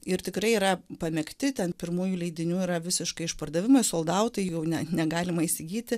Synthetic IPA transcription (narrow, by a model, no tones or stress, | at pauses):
ɪɾt̪ʲɪkɾɐɪiɾɐpɐmʲɛkt̪ʲɪt̪ʲɛnpʲɪɾmuːjuːlʲɛɪd̪ʲɪnʲuːiɾɐʋʲɪsʲɪʃkɐɪɪʃpɐrd̪ɐʋʲɪmɐɪsoːlˠd̪ɐʊt̪ɐɪjjɛʊnʲɛnʲɛɡɑːlʲɪmɐisʲɪɡʲiːt̪ʲɪ